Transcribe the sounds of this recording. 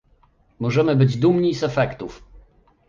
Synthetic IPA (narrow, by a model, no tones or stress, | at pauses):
mɔʐɛmɘbɘd͡ʑd̪umɲisɛfɛkt̪uf